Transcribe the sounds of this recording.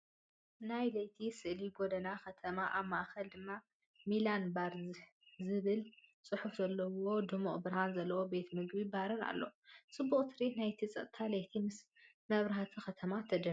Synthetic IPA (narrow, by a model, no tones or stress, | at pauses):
najlɐjt̪ʰisɨʔliɡod̪ɐnakɐt̪ʰɐmaʔaβmaʔxɐld̪ɨmːa | milanbaɾz | zɨβɨlsʼɨħufzɐlːɐwo̞d̪ɨmoʔʼbɨɾhanzɐlːɐwo̞be̞t̪mɨɡbibaɾɨna̰lːosʼɨbːuχʼt̪ʰɨɾit̪najt̪ʰit͡sʼɐ̰t̪̚ʼt̪ʰalɐjt̪ʰimɨs | mɐβɾɐɦat̪ʰixɐt̪ʰɐmat̪ʰɐd͡ʒɐ